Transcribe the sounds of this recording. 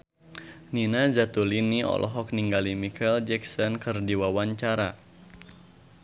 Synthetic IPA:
ninazat̪uliniɔ̰lʔɔ̰ɦɔk̚niŋɡalimikʰɛld͡ʒɛk̚sɔnkɨrdiwawaɲt͡ʃaɾa

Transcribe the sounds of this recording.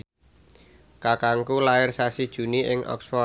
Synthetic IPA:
kakaŋkulaɪrsasid̥ʒ̥ṳniʔɪŋʔɔ̰ksfɔ

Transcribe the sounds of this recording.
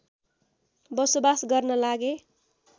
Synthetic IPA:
bʌsobasɡʌrnʌlaɡe

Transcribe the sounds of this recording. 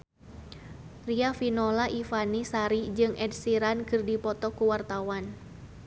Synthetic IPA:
riafinɔlaʔifanisaɾid͡ʒɨŋɛdsiɾankɨrdipɔt̪ɔkuwart̪awan

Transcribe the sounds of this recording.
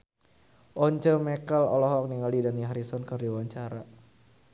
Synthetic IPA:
ʔɔɲt͡ʃəmɛkəlɔ̰lɔɦɔk̚niŋaldidaniɦaɾisɔnkərdiwaɲt͡ʃaɾa

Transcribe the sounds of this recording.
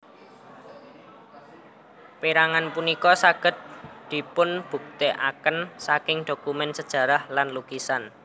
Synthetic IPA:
piɾaŋanpunikɔsaɡ̥ə̤t̪̚d̪̥i̤pʊnb̥ṳk̚t̪eʔakənsakɪŋd̪̥o̤kumɛnsəd̥ʒ̥ä̤ɾahlanluɡisan

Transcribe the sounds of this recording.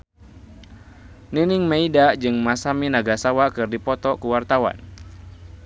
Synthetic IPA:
niniŋmaidad͡ʒɨŋmasaminaɡasawakɨrdipɔt̪ɔkuwart̪awa̰n

